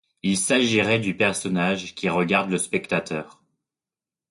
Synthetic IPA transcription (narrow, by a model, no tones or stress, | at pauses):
ilsaʒiʁɛd̪ypɛʁsɔnaʒkʲiʁəɡaʁd̪ləspɛkt̪at̪œːʁ